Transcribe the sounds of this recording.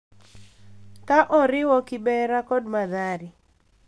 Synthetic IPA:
taʔɔɾɪwɔkɪbɛɾakɔdmaðaɾɪ

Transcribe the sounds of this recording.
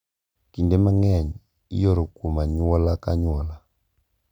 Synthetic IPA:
kindɛmaŋɛɲi | ḭjɔɾukumaɲwɔlakaɲwɔla

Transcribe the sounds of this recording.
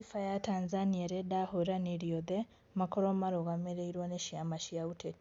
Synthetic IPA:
ifajataːnzanieɾedahoɾaneɾijoðe | makoɾomaɾoɣameɾeiɾwaneʃiamaʃijaute

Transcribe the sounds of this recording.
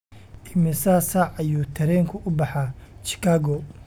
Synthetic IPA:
ʔɪmɪsaːsaːʕɐjuːt̪ʰɐɾɛːŋkʰʊʔʊbɑħɑt͡ʃɪ̥kʰaːɡɔ

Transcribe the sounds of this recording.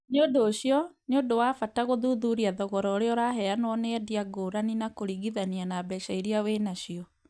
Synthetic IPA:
neodoːɕijɔneondowafataɣoðuðuɾiaðɔɣɔɾɔɾeɔɾaɦɛanwɔneɛdiaɡoɾaninakoɾiɣiðanianaːbɛʃaiɾiawenaɕiɔ

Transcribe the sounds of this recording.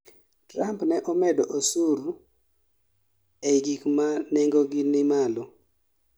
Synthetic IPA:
trampnɛʔɔmɛdɔʔosuɾu | eɡikmanɛŋɡoɡɪnɪmalɔ

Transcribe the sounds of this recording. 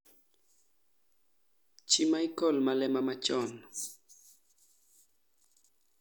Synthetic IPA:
t͡ʃimaikɔlmalɛmamat͡ʃɔn

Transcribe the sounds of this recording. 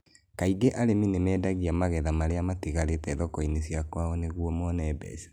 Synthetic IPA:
kaiɡeʔaɾeminemɛːdaɣiamaɣɛðamaɾeamatiɣaɾetɛðɔkɔinesjakwaɔneɣwɔmɔnɛːbɛ̰si̥

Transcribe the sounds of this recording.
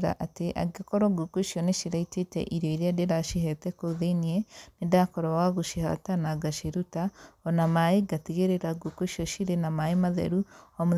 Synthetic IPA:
ɾa̰ʔateʔa̰ɡekoɾoɡukuʃioneʃiɾaitetḛʔiɾjɔiɾiadeɾaʃiɦɛtekoðenienedakoɾowaɣuʃiha̰tanaɡaʃiɾutaonamaiɡatiɣeɾeɾaɡukuʃiɔʃiɾenamaimaðḛɾuomu

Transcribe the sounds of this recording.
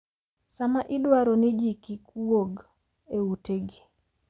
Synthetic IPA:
samaʔɪdwaɾonɪd͡ʒikikuwoɡ | euteɡi

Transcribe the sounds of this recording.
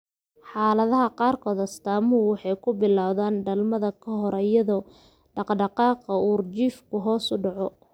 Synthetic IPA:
ħɑːlɐðɐɦɐqɑːrkʰɔːðɐst̪aːmʊwɑħɑjkʰʊbɪlaːwðaːnɖɐlmɐðɐkʰɐɦɔɾɐjɐðɔː | ɖɑqɖɑqɑːqɐuːrt͡ʃiːfkʰʊɦɔːsʊɖɑʕɔ

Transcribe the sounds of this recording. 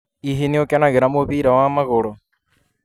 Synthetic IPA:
iɦiniokanaɣeɾamoβiɾawaːmaɣoɺo

